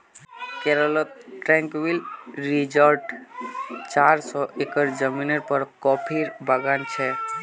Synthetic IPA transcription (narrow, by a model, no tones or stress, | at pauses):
kɛɾəlʈɾɛ̃ŋkwilɾid͡ʒəɾɖ | t͡ʃaɾsɔʔekəɾd͡ʒəminəɾpəɾkɔpʰiɾbəɡant͡ʃʰɛ